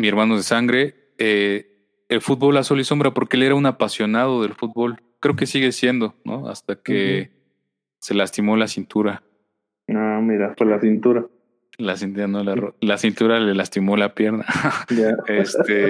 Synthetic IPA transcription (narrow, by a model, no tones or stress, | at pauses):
mie̞ɾmano̞ð̞e̞saŋɡɾe̞ | e | elfut̪̚βo̞laso̞liso̞mbɾapo̞ɾkeele̞ɾaunapasjo̞nað̞o̞ðe̞lfut̪̚βo̞l | kɾe̞oke̞siɣe̞sje̞nd̪o̞no̰a̰st̪ake | se̞last̪imo̞lasint̪uɾa | amiɾafwelasint̪uɾa | lasint̪uɾanolarolasint̪uɾale̞last̪imo̞lapje̞ɾnaaest̪e